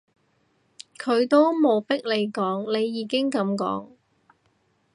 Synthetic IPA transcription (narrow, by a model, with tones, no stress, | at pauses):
kʰɵ˨˧ɥt̪o˥wmo˨˧wpɪ˥k̚le˨˧jkɔː˨˥ŋne˨˧jːiː˨˧kɪ˥ŋkɐ˨˥mkɔ̰ː˨˥ŋ